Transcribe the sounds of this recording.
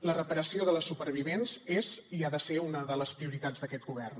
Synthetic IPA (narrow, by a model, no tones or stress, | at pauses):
lərəpəɾəsioðələsupəɾβ̞iβenzeziaðəseunəðələspɾiuɾit̪ad͡zðəkɛt̪̚ɡuβɛrn